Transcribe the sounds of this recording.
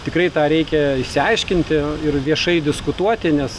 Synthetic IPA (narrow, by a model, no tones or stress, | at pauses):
t̪ʲɪkrɐɪt̪ɑːɾʲɛɪkʲɛɪʃʲsʲɪɐɪʃʲkʲɪnʲt̪ʲɪɪrʋʲiɛʃɐɪd̪ʲɪskʊt̪uɔt̪ʲɪnʲɛs